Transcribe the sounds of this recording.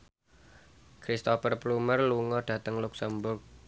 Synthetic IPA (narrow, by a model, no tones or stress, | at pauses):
kɾist̪ɔfərplumərluŋɔɖ̥ä̤t̪əŋluksəmbʊrk̚